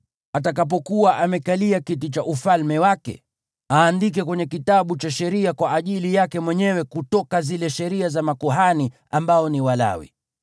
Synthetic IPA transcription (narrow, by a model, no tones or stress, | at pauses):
atak̬ap̬ɔkuwaʔamɛkaliakitit͡ʃaʔufalmɛwakɛ̰ | aːndik̬ɛkwɛɲɛkitaɓut͡ʃaʃɛɾiakwaʔːʄilijakɛmwɛɲɛwɛkutɔkazilɛʃɛɾiazamakɔɦani | ambaɔniwala̰wḭ